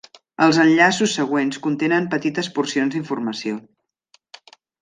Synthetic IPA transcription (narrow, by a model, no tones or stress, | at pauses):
əlˠzənʎasusːəɣ̞wenskunt̪enəmpət̪it̪əspursionzðiɱfuɾrməsio